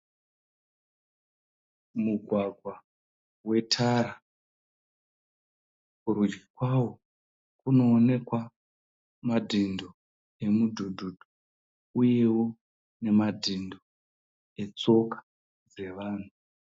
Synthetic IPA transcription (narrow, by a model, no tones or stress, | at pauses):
muɡʱwaɡʱwa | we̞tʰaɾa | kuɾud͡ʒɡikwawo | kuno̞ːne̞kwa | madʱindo | e̞mudʱudʱud̥ʱu | uje̞wo̞ | ne̞madʱindo | e̞t͡so̞kḁ | d͡ze̞ʋaːn̤u